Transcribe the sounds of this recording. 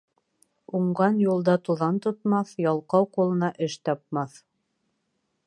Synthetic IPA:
uɴɢɑnjulˠd̪ɑt̪uðɑnt̪ŏt̪mɑθjɑlˠqɑwqulˠɤ̆nɑʔɘʃt̪ɑp̚mɑθ

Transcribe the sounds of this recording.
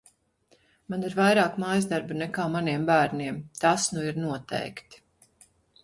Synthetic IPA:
maniɾvajɾaːkmajzd̪aɾbnɛkaːmaniɛmbæːɾnʲiɛmt̪asnuiɾnuɔt̪ɛ̰jkt̪

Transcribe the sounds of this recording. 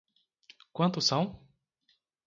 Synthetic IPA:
kwɐ̃nt̪ʊsɐ̃w̃

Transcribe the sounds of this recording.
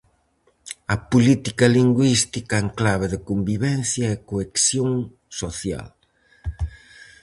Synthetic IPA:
ɐpulit̪ikɐliŋɡwist̪ikɐeŋklaβ̞eðɪkombiβɛn̟θjɐekoeksjoŋ | soθja̰l

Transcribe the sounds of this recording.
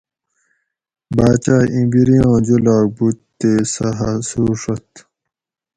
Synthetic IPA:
baːt͡ɕaːʔĩbiɾijɑ̃ːd͡ʑulaːk̚but̪ːesɐɦasuːʂɐt̪

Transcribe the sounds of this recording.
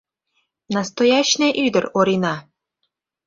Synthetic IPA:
nɑst̪ojɑɕneʔyd̪ə̆roɾinɑ

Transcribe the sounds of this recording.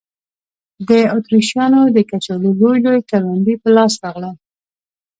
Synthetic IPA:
d̪əot̪ɾiʃjɑnod̪əkat͡ʃaləlojlojkaɾand̪ipəlɑsɾɑɣla

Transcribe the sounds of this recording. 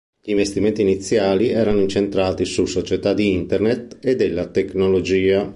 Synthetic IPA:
ʎiːɱvest̪imɛnt̪iːnit̪sːjaːliɛːɾanoint͡ʃent̪ɾaːt̪isusot͡ʃɛt̪ad̪iint̪ɛrnet̪ed̪elːat̪eknolod͡ʒiːa

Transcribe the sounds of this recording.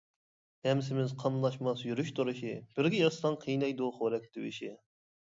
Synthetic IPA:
hɛmsɪmɪzqʰɑmlˠɑʃmɑsjyɾyʃt̪ʰuɾɨʃib̥ɪɾɡʲɪjɑst̪ɑŋqʰijnɑjd̪uχoɾɛk̚ʲt̪ɪwɪ̰ʃi

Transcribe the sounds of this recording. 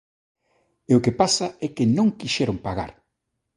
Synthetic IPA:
eʊkepasaɛkɪnõŋkiʃɛɾoŋpaɣa̰ɾ

